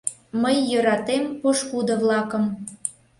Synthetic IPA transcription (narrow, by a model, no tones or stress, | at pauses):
məjːøɾɑt̪empoʃkud̪ə̆vlɑkə̆m